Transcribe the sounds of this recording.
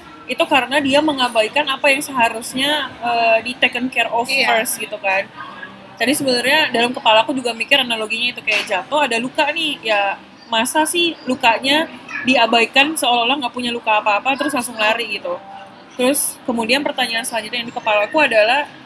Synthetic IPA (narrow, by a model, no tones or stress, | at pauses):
it̪ukaɾənadiaməŋabaikanapajaŋsəɦaɾusɲaəːdit̪ɛkənkɛrɔfərsɡit̪ukan | d͡ʒadisəbənarɲadalamkəpalakud͡ʒuɡamikɪranaloɡiɲait̪ukajaʔd͡ʒat̪oadalukaʔnɪhja | masasɪhlukaʔɲadiabaikansəolaolaŋɡaʔpuɲalukaːpaːpat̪əɾʊs̬ŋasʊŋlaɾiɡit̪u | t̪əɾʊskəmudianpərt̪aɲaːnsəɦaɲd͡ʒʊt̪ɲajaŋdikəpalakuadalah